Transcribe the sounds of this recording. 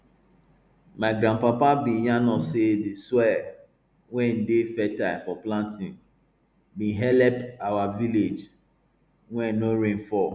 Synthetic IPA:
maɪɡɾãnpapabĩjãnɔsedeswɛ | wɛ̃n̩defɛtaɪfɔplãntĩn | bĩnɦɛlɛpawaviled͡ʒ | wɛ̃noɾẽnfɔ

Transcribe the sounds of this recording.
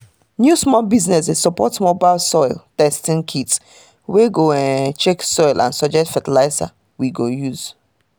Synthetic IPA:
njusmɔlbiznɛsɛssɔpɔ̰tmobaɪlsɔɪltɛstĩnkʰit | weɡoɛt͡ʃɛksɔjlʔã̰nsɔd͡ʒɛk̚tfatilaɪsa̰ | wiɡojuz̥

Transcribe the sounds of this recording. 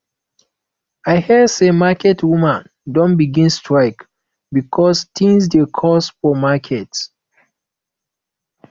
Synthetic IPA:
ajhɛsemakʰɛtʰwumãn | dɔ̃nbiɡĩnstɹaɪk | bikʰɔstʰĩnsdekʰɔsfɔmakʰɛts

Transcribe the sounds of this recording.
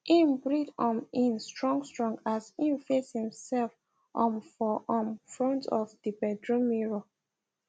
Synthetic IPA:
ʔĩnbɹidɔ̃mĩnstɹɔ̃ŋɡstɹɔ̃ŋɡazĩnfeshĩmsɛlf | ʔɔ̃mfɔʔɔ̃mfɹɔ̃ntʰɔfdibɛdɹomiɹo

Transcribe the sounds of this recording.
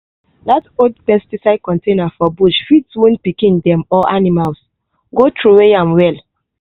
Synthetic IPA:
datodpɛstisaɪd̚kɔ̃ntenafɔbuʃfidswũnpikĩndɛ̃mɔʔanimals | ɡotɹuweãmwɛl

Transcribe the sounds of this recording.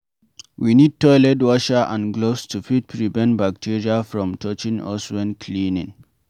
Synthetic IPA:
winid̚tɔɪlɛtwɔʃaʔã̰nɡlostʰufit̚pʰɹivɛ̃ntbak̚tʰiɹiafɹɔ̃mtʰɔt͡ʃĩŋɔ̰swɛ̃nkʰlĩnĩŋ

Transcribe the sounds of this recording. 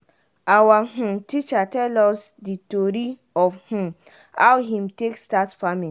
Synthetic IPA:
awaɦũtit͡ʃatɛlɔsditoɾi | ɔfhũ | hawɦĩmtekstatfamin

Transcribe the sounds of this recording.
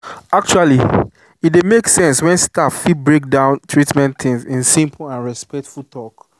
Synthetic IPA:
ak̚t͡ʃuali | it̚demeksɛ̃nswɛ̃nstaffit̚bɹek̚dãʊ̃ntʰɹitmɛ̃nθɪ̃ŋzĩnsĩmpʰlãnɹɛspɛk̚tfultʰɔk

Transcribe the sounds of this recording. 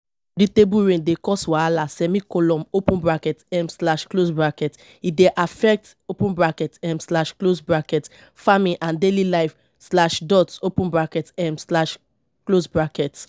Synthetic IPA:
ditebuɹẽndekɔswaalasɛmikɔlɔ̃mopũnbɹakɛtɛmslaʃklosbɹakɛt | ideʔafɛk̚t | opũnbɹakɛtɛmslaʃklosbɹakɛt | famĩʔãndelilaɪf | slaʃdɔtopũbɹakɛtɛmslaʃ | klosbɹakɛt

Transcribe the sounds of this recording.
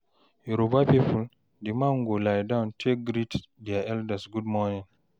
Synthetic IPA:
juɾobapipul | dimaŋɡolajdãwntʰekɡɾitdiaʔɛldəsɡudmɔnĩŋ

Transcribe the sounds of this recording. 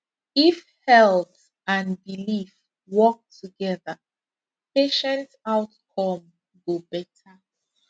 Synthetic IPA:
if | hɛlˠθ | ãnbilif | wɔk̚tʰuɡɛðə | pʰeʃɛ̃ntaʊtkʰɔ̃m | ɡobɛtʰə

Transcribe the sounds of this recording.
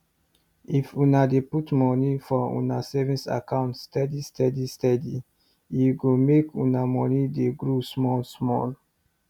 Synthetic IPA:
ifũnadeputmɔnifɔṵ̃nasɛvĩsa̰kãʊ̃ntstɛdistʰɛdistɛdi | juɡomekũnamɔnideɡɹusmɔlsmɔ̰l

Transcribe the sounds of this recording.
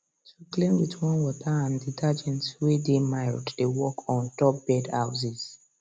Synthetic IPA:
tʰuklẽmwitwɔ̃nwɔtaãnditʰad͡ʒɛ̃ntwedemaɪlddewɔkɔ̃ntɔp̚b̥ɛdha̰ʊziz

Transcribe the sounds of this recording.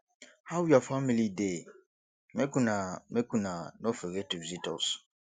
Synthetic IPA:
hawjafamilide | mekũnamekũnanofeɡetuvizitɔs

